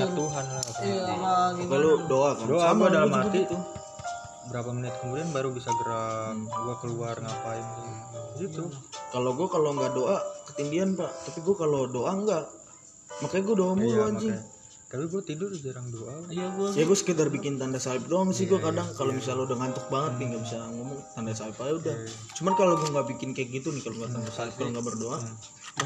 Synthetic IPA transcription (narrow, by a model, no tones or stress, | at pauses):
auɦanlapaaakajlodoakandoaɡuadalamat̪it̪u | bəɾapamənɪt̪̚kəmudianbaɾubisaɡəɾaɡuakəluarŋapaimt̪uɡit̪ukaloɡuakaloŋɡaʔdoʔakət̪indianpaʔt̪apiɡuakalodoʔaŋɡaʔ | makajɡuadoamuluad͡ʒɪ | t̪apiɡuat̪idʊrd͡ʒaɾaŋdoʔaijaɡuajaɡuasə̥kədarbikɪnt̪andasaɪp̚doaŋsɪhɡuakadaŋkalomis̬aludaŋant̪ʊk̚baŋət̪̚nɪŋɡabisaŋomʊŋt̪andasaɪpaauda | t͡ʃumankaloɡuaŋɡaʔbikɪnkak̚ɡit̪unɪhkaloŋɡat̪andasaɪp̚kaloŋɡaʔbərdoʔa